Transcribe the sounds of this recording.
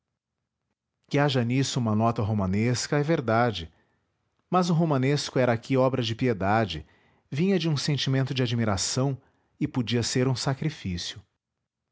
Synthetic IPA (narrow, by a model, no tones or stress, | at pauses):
kɪaʒɐnisʊũmɐnɔt̪ɐɦomɐ̃neskɐɛveɾd̪ad͡ʒɪ | mɐzʊɦomɐ̃neskʊɛɾɐakʰiɔbɾɐd͡ʒɪpied̪ad͡ʒɪ | vĩɲɐd͡ʒɪũsẽnt͡ʃimẽnt̪ʊd͡ʒɪad͡ʒmiɾasɐ̃w̃ | ɪpod͡ʒiɐseɾũsakɾifisjʊ